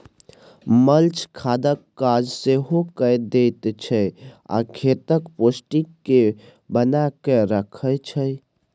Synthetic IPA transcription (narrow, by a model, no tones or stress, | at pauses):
məlt͡ʃkʰad̪əkːad͡ʒseɦokəjd̪et̪t͡ʃʰəja̰kʰet̪əkposʈikːe | bənakeɾəkʰət͡ʃʰəj